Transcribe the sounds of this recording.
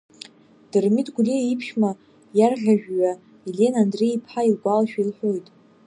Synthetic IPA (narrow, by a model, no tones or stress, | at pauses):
d̥ɨrmitʼɡʷliipʰʃma | jarʁʲaʒᶣɥa | ilʲe̞nandreipʰħailɡʷalaʃᶣailħʷojtʼ